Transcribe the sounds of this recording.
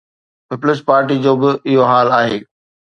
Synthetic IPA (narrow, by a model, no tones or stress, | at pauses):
pɪplɪspaːɾʈid͡ʑoːbɪʔɪɦoɦaːlaːɦeː